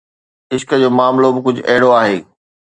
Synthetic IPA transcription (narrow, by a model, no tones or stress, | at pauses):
ɪʃkə̆d͡ʑoːmaːmlobɪkʊd͡ʑʱʊʔɐɦɪɽoaːɦeː